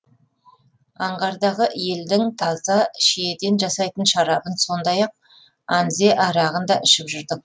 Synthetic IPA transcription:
ɑɴʁɑɾd̪ɑʁəʔje̞ld̪ɪŋt̪ʰɑzɑʃed̪e̞nʒɑsɑjt̪ənʃɑɾɑbənso̞nd̪ɑjɑq̚ | ɑnze̞ʔɑɾɑʁənd̪ɑʔɪʃɪpʒʏɾd̪ɪ

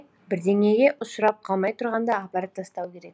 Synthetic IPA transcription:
bɪɾd̪eŋeɡʲe̞ʔʊ̆sɾɑp̚qʰɑlˠmɑjt̪ʰʊɾʁɑnd̪ɑːpɑɾɑt̪ʰːɑst̪ɑwkʲʰe̞ɾek

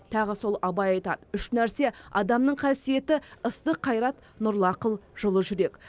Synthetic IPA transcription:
t̪ʰɑʁəso̞lˠɑbɑjɑjt̪ɑ̰d̪əʏʃnæɾse̞ɑd̪ɑmnəɴqʰɑsije̞t̪ɪəst̪əqʰːɑjɾɑt̪ | nʊɾlˠɑqəlˠʒ̥əlˠəʒʏɾe̞k

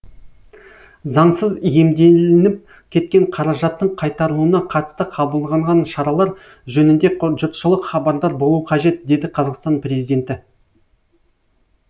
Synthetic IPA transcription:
zɑɴsəzje̞md̪e̞lɪnɪp̚ | kʲʰe̞t̪̚kʲe̞ɴqʰɑɾɑʒɑt̪ːəɴqʰɑjt̪ɑɾəlˠuənɑqʰɑt̪ə̥st̪əqʰɑbəlˠʁɑɴʁɑnʃɑɾɑlˠɑɾ | ʒɵnɪnd̪e̞ʒʊt̪ʃəlˠəqχɑbɑɾd̪ɑɾbo̞lˠuwəqʰɑʒe̞t̪̚d̪e̞jd̪ɪqʰɑzɑqst̪ɑnprʲe̞zijd̪ʲe̞nt̪ɪ

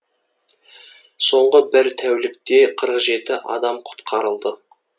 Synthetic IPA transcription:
so̞ɴʁəbɪɾt̪ʰæwlɪk̚t̪e̞qʰəɾəqʒe̞t̪ɪʔɑ̰d̪ɑmqʰʊ̥t̪qʰɑɾəlˠd̪ə

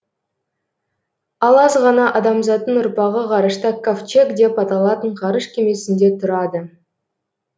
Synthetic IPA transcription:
ɑlˠɑzʁɑnɑʔɑd̪ɑmzɑt̪ːənʊɾpɑʁəqʰɑɾəʃt̪əkoft͡ʃe̞kd̪e̞pɑt̪ɑlˠɑt̪əɴqʰɑɾəʃkʲʰe̞me̞sɪnd̪e̞t̪ʰʊɾɑd̪ə

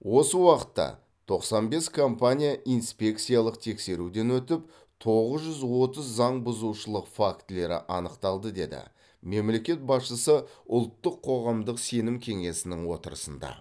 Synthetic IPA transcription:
wo̞səwɑqə̥t̪ːɑ̰ | t̪ʰo̞qsɑnbe̞skʰo̞mpanʲijaʔijnspʲe̞kt̪sijalˠəq̚t̪ʰe̞kse̞ɾud̪e̞nwɵt̪ɪp | t̪ʰo̞ʁəzʒʏzwo̞t̪əzːɑɴbʊzuʃəlˠəqfakt̪le̞ɾɪ̰ʔɑnəqt̪ɑlˠd̪əd̪e̞̰d̪ɪ̰ | me̞mle̞kʲe̞t̪̚bɑsʃəsəʊlˠt̪ːəqʰːo̞ʁɑmd̪əqse̞nɪmkʲʰe̞ŋe̞sɪnɪŋwo̞t̪əɾəsənd̪ɑ̰

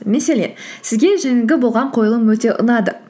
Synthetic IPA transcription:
mese̞le̞̰nsɪzɡʲe̞ʒeŋɪŋɡʲɪbo̞lˠʁɑɴqʰo̞jəlˠəmwɵt̪e̞ʔʊ̰nɑd̪ə

